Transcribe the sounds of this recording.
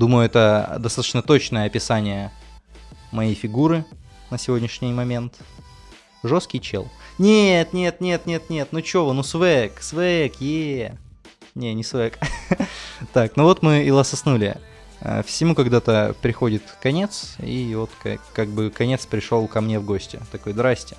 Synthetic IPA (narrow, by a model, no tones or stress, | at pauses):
d̪uməjʊɛt̪əd̪ɐst̪at̪ət͡ɕnət̪o̞t͡ɕnəjəɐpʲɪsanʲɪjə | mɐjejfʲɪɡuɾɨ | nəsʲɪvʲo̞dʲnʲɪʂnʲɪjmɐmʲe̞nt̪ | ʐo̞skʲɪjt͡ɕḛlˠnʲet̪nʲe̞t̪̚nʲe̞t̪nʲe̞t̪̚nʲe̞t̪nut͡ɕovɨnusvɛksvɛkje | nʲenʲɪsvɛk | t̪aknovo̞t̪mɨɪlˠəsɐsnulʲɪ̰ | ə̰fsʲɪmukɐɡd̪at̪əpɾʲɪxo̞dʲɪt̪kɐnʲe̞t̪sḭvo̞t̪kɐ̰kaɡ̚bɨkɐnʲe̞t̪spɾʲɪʂo̞lˠkɐmnʲe̞vɡo̞sʲtʲɪ̰t̪ɐko̞jd̪ɾasʲtʲɪ̥